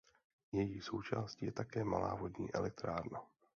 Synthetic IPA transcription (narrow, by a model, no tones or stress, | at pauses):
jɛjiːsowt͡ʃa̰ːscijɛt̪akɛːmala̰ːvo̞dɲḭːʔɛlɛk̚t̪ɾaːɾna